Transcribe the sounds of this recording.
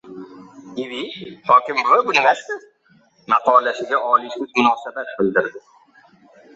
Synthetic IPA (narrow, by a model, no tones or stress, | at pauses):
ivihɒkʲɪmvabʊnɪmaʃt̪ɪ | maqɒlaʃɪɡʲaʔɒliʃɪzmʊnɒːsabat̪̚bɪld̪ɪɾd̪ɪ